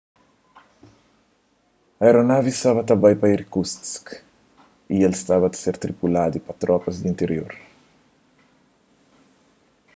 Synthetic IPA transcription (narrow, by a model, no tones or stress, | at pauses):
ɐeɾonavist̪aβɐt̪ɐbajpɐiɾkust̪sk | ielst̪aβɐt̪seɾt̪ɾipulad̪ipɐt̪ɾɔpɐzd̪ĩnt̪eɾjo̰ɾ